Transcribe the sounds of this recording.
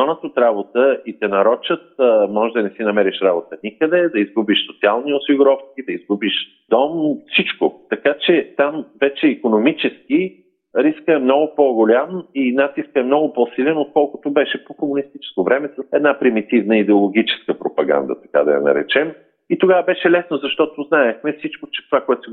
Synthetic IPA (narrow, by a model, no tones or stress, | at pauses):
ɔnət̪ot̪ɾabot̪əit̪ɛnɐɾɔt͡ʃət̪̚mɔʒɛd̪ɐnɛsinɐmɛɾiʃɾabot̪ənikəd̪ɛd̪ɐizɡubiʃsot̪sialˠniʊsiɡʊɾɔfk̪id̪ɐizɡubiʃ | d̪ɔmfsit͡ʃkʊt̪ɐkat͡ʃɛt̪amvɛt͡ʃɛikonomit͡ʃɛsk̟i | ɾiskəɛmnɔɡʊpoɡolʲaminat̪iskɛmnɔɡʊpɔsilɛnot̪̚kɔlˠkʊt̪ʊbɛʃɛpokomʊnist̪it͡ʃɛ̥skovɾɛmɛsɛd̪napɾimit̪ivnəid̪ɛolˠoɡ̟ʲit͡ʃɛ̥skəpɾopɐɡa̰nd̪ə̰t̪ɐ̥ka̰d̪ɐ̰jɐ̰nɐ̰ɾɛ̰t͡ʃɛm | it̪oɡavəbɛʃɛlɛsnozɐʃt̪ɔt̪oznaɛxmɛfsit͡ʃkot͡ʃɛ̥t̪ovakoɛt̪ʊ̥sɛ